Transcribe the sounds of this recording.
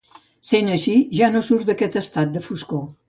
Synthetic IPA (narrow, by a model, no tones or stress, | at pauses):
senəʃiʒanosuɾt̪d̪əkɛt̪əst̪at̪̚d̪əfusko